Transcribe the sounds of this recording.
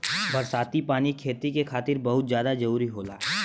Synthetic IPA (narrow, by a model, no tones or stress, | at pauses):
bʱɐɾsaːt̪ipaːnikʰeːt̪ikekʰaːt̪ɪɾbɐɦʊt̪zjaːd̪ad͡ʒɐɾuːɾiɦoːla̰ːɦ